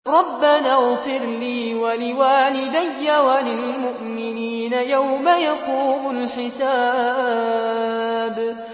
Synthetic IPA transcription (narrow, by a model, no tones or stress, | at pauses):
ɾˤɑbːanaːɣfɪɾliːwalɪwaːnɪd̪ajːawalɪlmʊʔmɪniːnajawmajaquːmʊlħɪsaː | b